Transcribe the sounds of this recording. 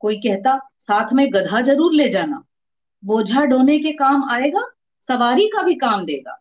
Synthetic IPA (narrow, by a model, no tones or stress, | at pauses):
koːikɛɦt̪a | saːt̪ʰmẽɡɐd̪ʱad͡ʒɐɾuːɾleːd͡ʒaːna̰ː | boːd͡ʒʱaɖoːnekekaːmaːeːɡaː | sɐʋaːɾikabʱikaːmd̪eːɡa̰ː